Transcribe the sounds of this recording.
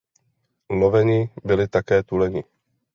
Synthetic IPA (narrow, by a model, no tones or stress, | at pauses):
novɛɲɪbɪlɪt̪akɛːt̪ulɛɲɪ